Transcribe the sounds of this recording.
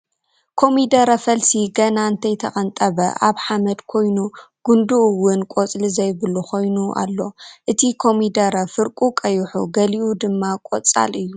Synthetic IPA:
kʰo̞mid̪ɐɾɐfɐlsiɡɐnaɨnt̪ʰɐjt̪ʰɐχʼɐnt̪ʼɐβɐ̰ʔaβħamɐd̪kʰo̞jnuɡ̥und̪uwʊnkʷʼot͡sʼlizɐjbɨlukʰo̞jnuʔa̰lːo̞ʔɨt̪ʰikʰo̞mid̪ɐɾɐfɨɾkʼukʼɐjuħṵɡɐliʔud̪ɨmːakʷʼot͡sʼa̰lɨjːu

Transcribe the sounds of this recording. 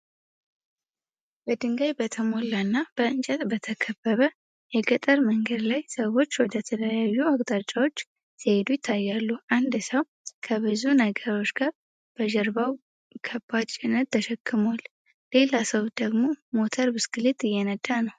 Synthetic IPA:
bəd̪ɨŋɡajbət̪ʰəmo̞lːanːab̥əɨnt͡ʃʼɛt̪bət̪ʰəkʰəbːəβə | jɛɡət̪ʼəɾməŋɡəd̪lajsəwo̞t͡ʃːwɔd̪ət̪ʰələjajːuakʼt̪ʼat͡ʃʼːawo̞t͡ʃː | sʰəhed̪ujɪt̪ʰːajːalːuʔand̪səw | kʰəβɨzunəɡəɾo̞t͡ʃːɡaɾ | b̥əʒɛɾbaw | kʰəbːat͡ʃʼɪnət̪t̪ʰːəʃɛkʰːɨmal | le̞lasəwd̪əɡmo̞mo̞t̪ʰəɾbɨskɨlet̪ʼɨjːɛnəd̪anəw

